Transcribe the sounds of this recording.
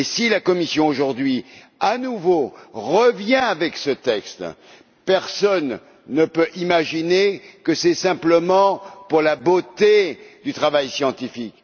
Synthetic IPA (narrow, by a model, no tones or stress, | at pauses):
esilakɔmisjɔ̃oʒuʁd̪ɥi | anuvoʁəvjɛ̃avɛksət̪ɛkst̪ | pɛʁsɔnː | əpøʔimaʒinekəsɛsɛ̃pləmɑ̃puʁlabot̪ed̪yt̪χavajsjɑ̃t̪ifik